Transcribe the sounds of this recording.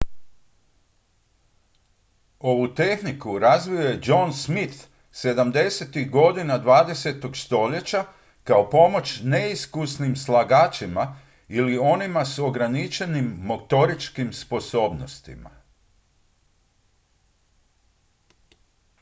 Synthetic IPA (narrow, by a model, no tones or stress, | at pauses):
o̞ʋut̪e̞xnikuɾazʋijoje̞d͡ʒo̞nsmit̪ | se̞d̪amd̪e̞se̞t̪iɣɡo̞d̪inad̪ʋaːd̪e̞se̞t̪o̞ɡst̪o̞ʎe̞t͡ɕa | kao̞po̞mo̞t͡ʃne̞iskusnimslˠaɡaːt͡ʃima | ilio̞nimaso̞ɡɾanit͡ʃe̞nimːot̪o̞ɾit͡ʃkimspo̞so̞ːbnost̪ḭma̰